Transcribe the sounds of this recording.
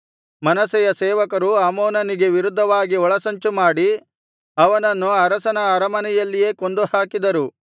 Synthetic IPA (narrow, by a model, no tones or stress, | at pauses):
mɐnɐsɛjɐsɛːʋɐkɐɾuaːmoːnɐniɡe̞ʋiɾud̪ʱːɐʋaːɡiɔɭɐsɐɲt͡ʃumaːɽi | ɐʋɐnɐnːuɐɾɐsɐnɐːɾɐmɐnɛjɐlːije̞ːkond̪uhaːkid̪ɐɾu